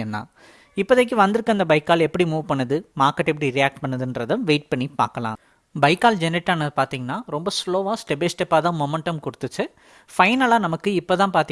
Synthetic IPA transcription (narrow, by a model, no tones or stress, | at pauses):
ɛnːã̰ː | ɪpːoðɐk̬ːɯʋɐnd̪ɯɾɯkːɐnd̪ɐbɐɪkːaːlɛpːɐɽimuːʋpɐɳːɐðɯmaːkɐʈːɛp̬ːɐɽiɾijaːk̚ʈ̚pɐɳːɐðɯndɾɐðɐ̃ʋeːʈ̚pɐɳːipa̰ːɾkɐlã̰ː | bɐɪkːaːld͡ʒɛnɪʈːaːnɐðɯpaːɾt̪iːŋɡɐnːaːɾɔmbɐsloːʋaːsʈɛbesʈɛpːaːt̪ãːmɔːmɛɳʈɐmkʊɽɯt̪ːɯt͡ʃːɯ | fɐɪnɐlaːnɐmɐkːɯɪpːoːt̪ãːpaːɾt̪i